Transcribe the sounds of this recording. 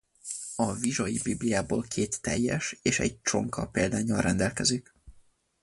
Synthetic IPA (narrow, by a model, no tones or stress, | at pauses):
ɒviʒojibiblijaːboːlkʰeːt̪ːɛjːɛʃeːʃɛ̰ɟ̚t͡ʃo̞ŋkʰɒpeːld̪aːɲɒlrʔɛnd̪ɛlkɛzik